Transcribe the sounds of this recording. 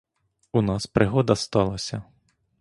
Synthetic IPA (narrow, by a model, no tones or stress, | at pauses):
unɑspɾɪɦɔd̪ɐst̪ɑlˠɐsʲɐ